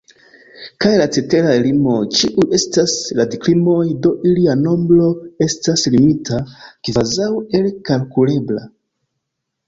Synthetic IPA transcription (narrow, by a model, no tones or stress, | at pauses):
kajlat͡se̞te̞ɾaelimo̞t͡ʃiʔuje̞stasladiklimo̞jdo̞ʔiliano̞mbɾo̞e̞staslimitʰakivazawe̞lkalkule̞bla̰